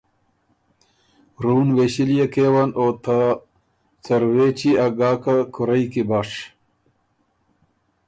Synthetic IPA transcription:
ɾuːnweːɕilijekeːwɐnoːt̪ʰa | t͡sɐɾweːt͡ɕiaɡaːkakuɾɐjkibaːʂ

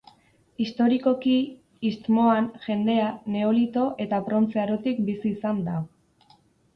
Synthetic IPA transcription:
ist̪o̞ɾiko̞kiː | st̪mo̞anʝe̞nd̪e̞ane̞olit̪o̞ʔe̞t̪apɾo̞nt͡seaɾot̪ikbisiːsand̪a

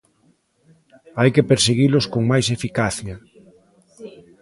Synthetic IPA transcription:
ajkepeɾseɣilʊskoŋmajsefikaθja

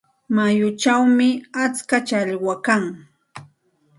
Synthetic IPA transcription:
majʊt͡ʃawmɪat͡skat͡ʃaʎwakaŋ

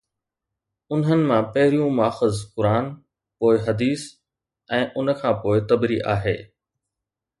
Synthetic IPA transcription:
ʊnɦənɪ̆mãpɐɦɪɾijũmaːxəzkʊɾaːn | poːɪɦɐd̪iːs | ɛ̃ːʔʊnə̆kʰãːpoːɪt̪ɐbɾiʔa̰ːɦeː

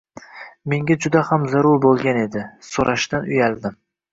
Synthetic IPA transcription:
me̞ŋɡʲad͡ʒʊd̪ahamzaɾʊɾbolˠɡʲane̞d̪ɪsoɾʔaʃd̪anʊjald̪ɪm

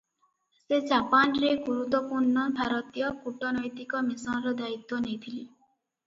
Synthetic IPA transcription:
sed͡ʒapanɾeɡuɾut̪ːɔpuɾnɔbʱaɾɔt̪ijɔkuʈɔnɔjt̪ikɔmisɔnɾɔd̪ait̪ːɔnejt̪ʰili

